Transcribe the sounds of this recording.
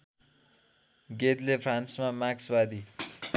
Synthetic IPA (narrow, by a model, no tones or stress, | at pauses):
ɡet̪lepʰransmamaksbad̪i